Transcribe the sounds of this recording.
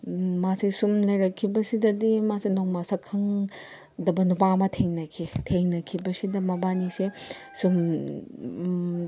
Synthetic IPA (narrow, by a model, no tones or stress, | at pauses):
masisumlɐjɾɐkʰːibɐsidɐdimasenoŋmɐsɐkʰːɐŋ | dɐbɐnup̬aŋmɐtʰeŋnɐkʰitʰeŋnɐkʰibɐsidɐmɐbanise | sum